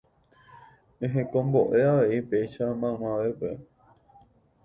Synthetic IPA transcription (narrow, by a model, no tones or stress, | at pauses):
ẽɦẽkõmboʔe̞aʋeʔipe̞iʃamãmãʋepe